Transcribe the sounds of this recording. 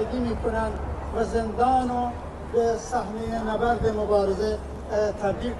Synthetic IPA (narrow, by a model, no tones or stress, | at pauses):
ɡimiːkʰʊnan | ʋazend̪ɑːno | besahnienabaɾd̪emʊbɑːɾɪze | t̪ʰabd̪iː